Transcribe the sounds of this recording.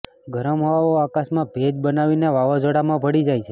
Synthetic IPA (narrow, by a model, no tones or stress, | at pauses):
ɡʱəɾəmɦɔʋaoakasmãbʱed͡ʒbənaʋineʋaʋad͡ʒoɽamãbʱəɽid͡ʒajt͡ʃʰe